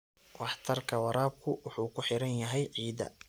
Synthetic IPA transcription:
wɑħt̪ʰɐrkʰɐwɑɾaːb̚kʰʊwʊħuːkʰʊħɪɾɐnjɐɦɛjʕiːd̪ɐ̰

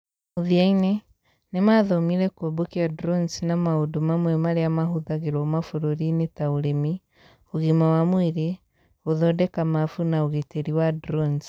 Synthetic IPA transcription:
uðiaine | nemaðɔmiɾɛkwobokiadɾonsnamaodumamwemaɾeamaɦuðaɣeɾomafuɾoɾinetauɾemi | oɣimawamwiɾe | oðɔdɛkamafunaoɣeteɾiwadɾons

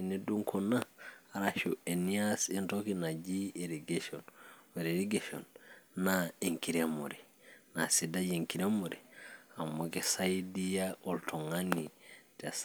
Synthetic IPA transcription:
ɛneɗumkʰɔnaɾaʃuɛniasɛntokinad͡ʒieɾiɡaʃɔnwɛɾeɾiɡaʃɔ̰nːaiŋkiɾɛmɔ̰ɾɛ | na̰sidajeŋkiɾɛmoɾɛamːɔɡɛsajdijaɔltʰɔŋanitas

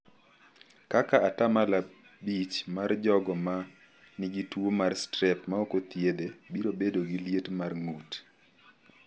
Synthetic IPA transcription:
kakaatamala | bit͡ʃmard͡ʒɔɡɔma | nɪɡitwomarstɾɛpmaokot̪jedebiɾobedoɡiljetmarŋut

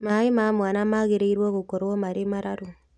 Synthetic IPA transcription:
maemamwanamaɣeɾeiɾwɔɣokoɾwɔmaɾemaɾaɾo

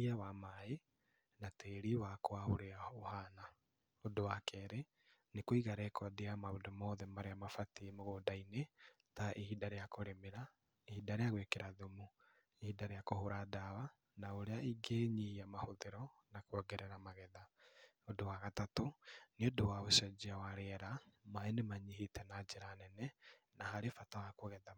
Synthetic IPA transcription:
iawamae | nateːɾiwakoahoɾeaohana | odowakɛɾe | nekoiɣaɾɛkwadeamaodomɔðɛmaɾeamafatiemoɣodaine | taʔehidaɾejakoɾemeɾa | ehidaɾejaɣwekeɾaðomu | ehidaɾejakohoɾadawa | naoɾeaiɡeɲihiamahoðeɾɔ | nakwɔɡɛɾɛɾamaɣɛða | odowaɣatatoneodowaosɛd͡ʒiawaɾeɛɾamaenemaɲiɦitɛnad͡ʒeɾanɛnɛ | nahaɾefatawakoɣɛða

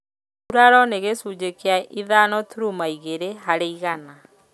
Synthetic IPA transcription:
uɾaɾɔneɣesud͡ʑekeaiðanɔtuɾumaiɣeɾeɦaɾeiɣana

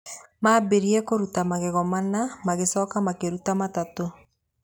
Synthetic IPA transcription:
maːbeɾiɛkoɾutamaɣeɣɔmanamaɣesɔːkamakeɾutamatato

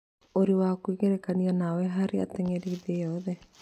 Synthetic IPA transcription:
oɾiwakuiɣeɾekanianawɛɦaɾea̰t̪eŋeɾiːðejɔðɛ

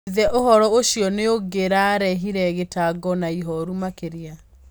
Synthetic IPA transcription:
ðɛʔohɔɾɔoɕjɔneoɡeɾaɾɛɦiɾɛɣetaɡɔnaiɦɔɾumakeɾia

